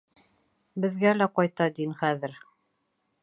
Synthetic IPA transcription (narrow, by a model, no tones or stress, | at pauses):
bɘ̆ðɡælæqɑjt̪ɑd̪inχæðɘɾ